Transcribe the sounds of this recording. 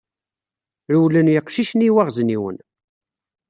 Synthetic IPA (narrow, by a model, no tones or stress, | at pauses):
ɾuwlənjəqʃiʃniwæʁzniwə̰n